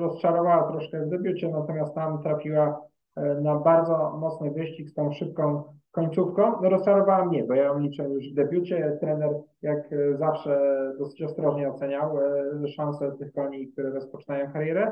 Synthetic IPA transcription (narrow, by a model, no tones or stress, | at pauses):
ɾɔst͡ʂaɾɔvawat̪ɾɔʂkɛvd̪ɛbʲjut͡ɕɛnat̪ɔmʲjast̪ːamt̪ɾafʲiwa | nabaɾd̪zɔmɔt̪snɨvɘɕt͡ɕikst̪ɔ̃w̃ʂɘp̚kɔ̃w̃kɔɲt̪sufkɔ̃w̃nɔɾɔst͡ʂalɔvawamɲɛbɔjalʲit͡ʂɛjuʐvd̪ɛbʲjut͡ɕɛt̪ɾɛnɛɾjakzafʂɛd̪ɔsɘ̥t͡ɕɔst̪ɾɔʐɲɛɔt̪sɛɲawʂãñsɛt̪ɘxkɔɲik̚t̪uɾɛɾɔspɔt͡ʂɨ̥najɔ̃w̃kaɾjɛɾɛ